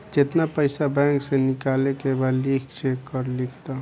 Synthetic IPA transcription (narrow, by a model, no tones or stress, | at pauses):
d͡ʒɪt̪napəɪsabɛ̃ːŋksenɪkaːlekebad̪likʰt͡ʃʰekːəɾlikʰt̪a